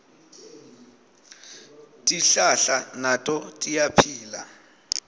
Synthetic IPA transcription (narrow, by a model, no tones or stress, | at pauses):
tʼiɬaɬanatʼɔtʼijapʰiːla